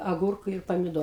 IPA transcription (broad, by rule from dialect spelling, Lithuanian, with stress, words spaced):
ɐˈɡuːrkʊ ɪr pɐmʲɪˈdoː